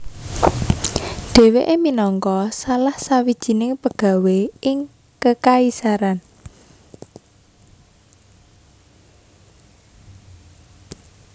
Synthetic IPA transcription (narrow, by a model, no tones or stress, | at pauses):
ɖ̥e̤weʔeminɔŋkɔsalahsawid̥ʒ̥i̤nɪŋpəɡ̥a̤weɪŋ | kəkaisaɾan